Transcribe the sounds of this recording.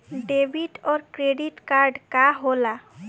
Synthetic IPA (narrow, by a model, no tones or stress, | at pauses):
ɖebiʈoɾkɾeɖiʈkaɾɖkaɦola